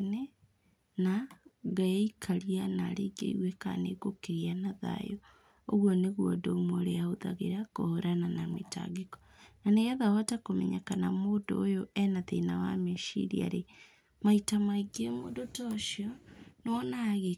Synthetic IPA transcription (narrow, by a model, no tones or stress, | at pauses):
ne | naɡaeikʰaɾianaɾeɡḛiɣweka̰nḛɣokeɾianaða̰jo | oɣwɔneɣwɔdomoɾeaoða̰ɣeɾakohoɾananameta̰ɡekɔ̥ | naneɣaðaɔtakomɛ̰ɲakanamoːdo̰ːjoʔɛnaðḛnawa̰meʃḭɾḭa̰ɾe | maitamaiɡemo̰dotɔʃiɔnoɔnaɣe